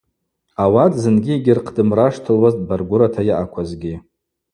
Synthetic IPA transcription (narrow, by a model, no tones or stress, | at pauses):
awatʰʼzɨnɡʲieɡʲɪrqʰdɨmraʂtʰɨlwazt̚ʼbarɡʷʊɾatʰajaʔakʷʰazɡʲi